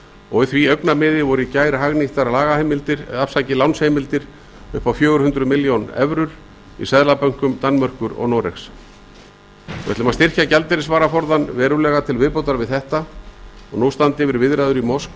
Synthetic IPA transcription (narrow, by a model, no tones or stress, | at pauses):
ɔɣɪθviœɥknamɪːðɪvɔɾɪicaːjɾɪɦaɣniht̪aɾlaːɣahejmɪlt̪ɪɾafsajcɪlawnshejmɪlt̪ɪɾ̥ | ʏ̰hpawfjœːɣʏɾ̥hʏnt̪ɾʏmɪljownɛ̰vɾʏɾ̥ | ḭsaðlapœŋ̥kʏmt̪anːmœr̥kʏɾɔ̰ɣnɔɾɛ̰xs | ɔvɛt̪lɪmast̪ɪr̥cacɛlt̪ɛɾɪsvaːɾafɔɾðanvɛːɾʏlɛːɣat̪ʰɪlvɪðpowt̪aɾvɪðθɛht̪aɔɣnuwst̪ant̪ɪvɪɾvɪðɾajðʏɾimɔsk